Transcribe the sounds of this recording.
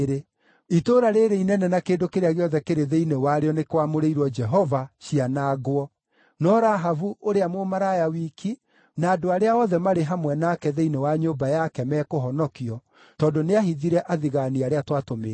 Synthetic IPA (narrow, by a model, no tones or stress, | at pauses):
ɾe | itoɾaɾeɾeinɛnɛnakeːndokeɾeaɣeɔðɛkeɾeðeinewaɾeɔnekwamoɾeiɾwɔd͡ʒɛɦɔvaʃianaɣwɔ | nɔɾaɦavuoɾeamomaɾajawikʰi | naːdoaɾeaɔðɛmaɾeɦamwɛnaːkɛðeinewaɲoːbajakɛmɛkoɦɔnɔkiɔ | tɔndoneahiðiɾɛʔaðiɣaniaɾeatwatomeː